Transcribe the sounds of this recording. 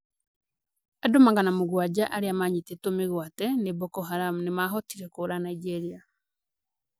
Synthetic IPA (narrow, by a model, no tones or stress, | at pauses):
adomaŋɡanamoɣwad͡ʒaʔaɾeamaɲetetomeɣwatɛnebɔkɔɦaɾam̩nemaɦɔtiɾɛkoːɾanaid͡ʒɛɾia